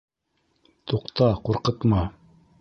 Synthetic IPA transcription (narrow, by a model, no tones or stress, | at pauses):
t̪uqt̪ɑquɾqɤ̆t̪mɑ